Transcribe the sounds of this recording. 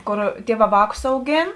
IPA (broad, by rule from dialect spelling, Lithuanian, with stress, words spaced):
ˈkoːr ˈtʲiɛˌʋɑː ˈʋɑːkʊs ɐʊˈɡʲeːn